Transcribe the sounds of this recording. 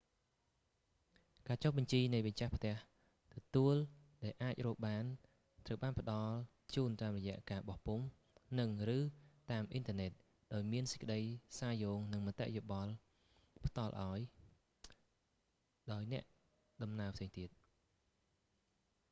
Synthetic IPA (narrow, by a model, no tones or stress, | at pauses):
kaːt͡ɕohɓɑɲt͡ɕiːnɨjʋəct͡ɕahpʰt̪ɛ̆əh | t̪ɔt̪uəl | ɗaɛlʔaːc̚rɔːk̚ɓaːn | t̪rəwɓaːnpə̆ɗɑl | t͡ɕuːnt̪aːmrɔjɛ̆əʔkaːɓɑhpum | nɨŋrɨːt̪aːmʔint̪əənɛt̪̚ | ɗaɔjmiənsə̥c̚kəɗəjsaːjoːŋnɨŋmat̪ːɛ̰ʔjoɓɑl | pʰt̪ɑlʔa̰ɔj | ɗaɔjnɛ̆əʔ | ɗɑmnaəpʰseːŋt̪iət̪̚